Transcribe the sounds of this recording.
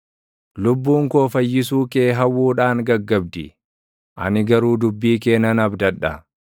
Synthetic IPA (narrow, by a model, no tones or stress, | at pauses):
lʊbːuːŋko̞ːfɐjːɪs̬uːke̞ːɦɐwːuːᶑaːŋɡɐɡːɐb̚d̪ɪ | ʔɐ̰nɪɡɐɾuːd̪ʊbːiːke̞ːnɐnɐbd̪ɐᶑɐ